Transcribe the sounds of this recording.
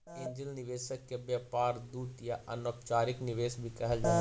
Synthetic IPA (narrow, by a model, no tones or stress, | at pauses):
ẽːɲd͡ʒəlnɪʋeːʃəkːebjaːpaːɾd̪uːt̪jaʔɐ̰noːkt͡ʃaːɾɪknɪʋeːsbʱikɐɦəld͡ʒaː